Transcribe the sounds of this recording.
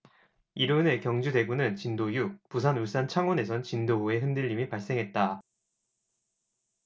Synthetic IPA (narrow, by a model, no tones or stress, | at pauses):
iɾɯne̞kjʌŋd͡ʑude̞ɡunɯnt͡ɕindojuk̚pusʰanuɭs͈ant͡ɕʰaŋwʌne̞sʰʌnt͡ɕindooe̞ɦɯndɯʎːimipaɭs͈e̞ŋɦe̞t̚t͈a